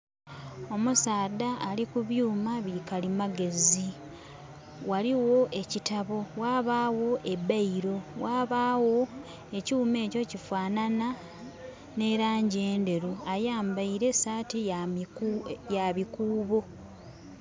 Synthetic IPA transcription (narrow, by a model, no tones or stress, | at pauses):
o̞musaːdaːlikuβjuːmaβikalimaɡe̞zi | waliwo̞ʔe̞citaβo̞waːβaːwo̞ʔe̞baiɾo̞waːβaːwo̞ | e̞ciume̞ːco̞cifwaːnana | ne̞ɾaːɲɟe̞ːnde̞ɾuajaːmbaiɾe̞saːti | jaβikuːβo